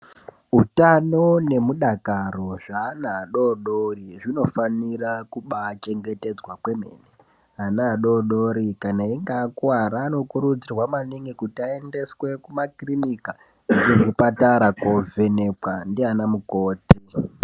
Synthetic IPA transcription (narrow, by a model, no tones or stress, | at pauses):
utano̞ne̞muɗakaro̞ʐaːnaːɗo̞ɗoriʐino̞fanirakuɓat͡ʃe̞ŋɡe̞te̞d͡zwakwe̞me̞̰ne | ɦanaːɗo̞ɗoɾikanaiŋɡaːkwaɾaːno̞kuɾud͡zirwamaniŋɡikutiae̞nde̞swe̞kumakrinika | kuʐipataɾakove̞ne̞pwandianamukoːti